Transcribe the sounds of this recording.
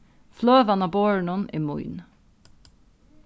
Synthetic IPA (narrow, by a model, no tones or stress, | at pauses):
fløːʋɑnɑːboːɹɳɔnḭːmʊ̰ʏn